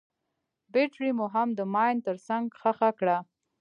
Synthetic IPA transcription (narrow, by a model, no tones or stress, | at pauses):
beʈɾimuɦamd̪əmɑjnt̪əɾsaŋɡxaxakɽa